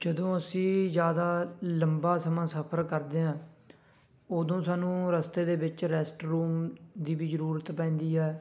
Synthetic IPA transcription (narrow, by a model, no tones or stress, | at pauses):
d͡ʒəd̪õːəsĩːzjaːd̪aːləmbaːsəmãːsəpʰəɾkəɾd̪eːãː | oːd̪õːsaːnũːɾəst̪eːd̪eːbɪt͡ʃɾɛːsʈɾuːmd̪iːbiːzəɾuːɾət̪pɛ̃ːnd̪iːɦɛː